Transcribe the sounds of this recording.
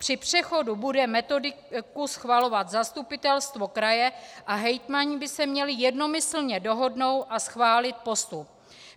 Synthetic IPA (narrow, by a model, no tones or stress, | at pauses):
pr̝̥ɪpr̝̥ɛxo̞dubudɛmɛt̪o̞dɪ | kusxvalo̞vat̪zast̪upɪt̪ɛlst̪vo̞kɾajɛʔaɦɛjt̪maɲɪbɪsɛmɲɛlɪjɛdno̞mɪsl̩ɲɛdo̞ɦo̞dno̞wt̪ʔasxvaːlɪt̪̚po̞st̪u